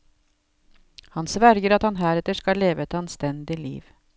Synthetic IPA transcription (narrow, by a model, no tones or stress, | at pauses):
hɑnsʋæɾɡəɾɑt̪hɑnɦæːɾɛt̪əʂkɑleːʋəɛt̪ɑnst̪ɛnd̪ɪlḭːʋ